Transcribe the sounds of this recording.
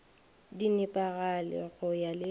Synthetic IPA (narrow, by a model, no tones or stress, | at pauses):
dinɪpʼaɣalɪ̰ɣʊjalɪ